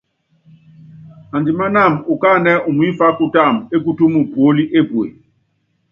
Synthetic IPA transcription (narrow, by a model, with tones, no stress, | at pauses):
a˨ndi˨ma˦na˦˨mu˨ka˦˨nɛ˦ʔu˨mu˨˦i˦fa˦ku˦˨ta˦˨me˦k̬u˦tu˦mu˨pu˨o˦li˦ʔe˦bwḛ˨